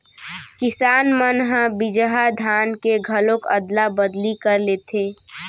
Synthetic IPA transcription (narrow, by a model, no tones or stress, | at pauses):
kɪsaːnmənɦəbɪd͡ʒəɦad̪ʱaːnkeɡʱəlõkəd̪labəd̪likəɾleːt̪ʰeː